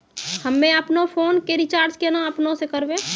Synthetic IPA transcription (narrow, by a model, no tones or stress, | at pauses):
həmːẽɐpnõpʰoːnkeɾɪt͡ʃaːɾd͡ʒkenaɐpnõsekəɾʋe